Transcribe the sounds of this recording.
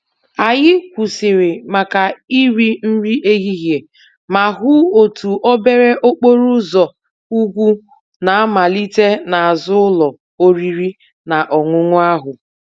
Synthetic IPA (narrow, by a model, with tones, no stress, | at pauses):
a˨jɪ˦kʷu˨sɪ˨ɾɪ˨ma˨ka˨i˦ɾi˦n̩˦ɾi˦ʔe˦ɣi˦ɦje˨ | ma˨ɦʊ˦o˨tu˨ʔɔ˦be˦ɾe˦ʔo˦k͡po˦ɾu˦zɔ˨ | u˦ɡʷu˦ | na˨a˦ma˨li˦te˦na˨a˨zʊ˦ʊ˦lɔ˨ | o˦ɾi˦ɾi˦ | na˨ʔɔ˨ŋʷʊ˦ŋʷʊ˦a˦ɦʊ˨